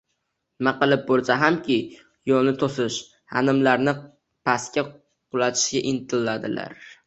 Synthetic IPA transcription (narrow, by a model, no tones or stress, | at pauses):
maqɨlˠɪp̚bolˠsaɦamkʲɪ | jɒnɪt̪ʰosɪʃ | ha̰nɪmlaɾnɪ | pʰaskʲa | qʊlˠat̪ʰɪ̥ʃɡʲaʔɪnt̪ʰɪlːad̪ɪla̰ɾ